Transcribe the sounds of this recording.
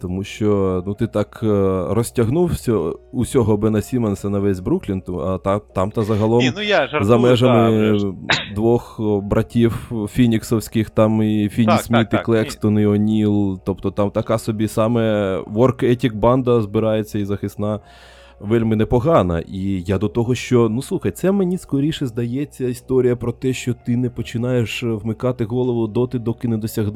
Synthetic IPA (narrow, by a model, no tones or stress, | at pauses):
t̪ɔmuʃt͡ʃɔnut̪ɪt̪ɑkrɔsʲtʲɐɦnuwsʲɔusʲɔɦɔbɪnɐsʲimɐnsʲɐnɐʋɛsʲbɾuklʲint̪ɐt̪ɑt̪ɑmt̪ɐzɐɦɐlˠɔmzɐmɛʒɐmɪ | d̪ʋɔxbɾɐtʲiwfʲinʲiksɔwsʲkɪxt̪ɑmifʲinʲismʲit̪ɪklˠɛkst̪ɔniɔnʲilˠt̪ɔpt̪ɔt̪ɑmt̪ɐkɑsɔbʲisɑmɛʋɔrkɛtʲik̚bɑnd̪ɐzbɪɾɑjet͡sʲːɐizɐxɪsnɑ | ʋɛlʲmɪnɛpɔɦɑnɐ̰ʔijad̪ɔt̪ɔɦɔʃt͡ʃɔnuslˠuxɐjt̪sɛmenʲiskɔɾʲiʃɪzd̪ɐjɛt͡sʲːɐist̪ɔɾʲijɐpɾɔt̪ɛʃt͡ʃɔt̪ɪnɛpɔt͡ʃɪnɑjeʃwmɪkɑt̪ɪɦɔlˠɔʋʊd̪ɔt̪ɪd̪ɔkɪnɛd̪ɔsʲɐɦd̪